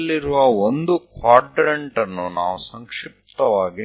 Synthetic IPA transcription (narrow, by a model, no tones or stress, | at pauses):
lːiɾuʋɐond̪ukʋaːɖɾɐɳʈɐnːunaːʋusɐŋkʂip̚t̪ɐʋaːɡi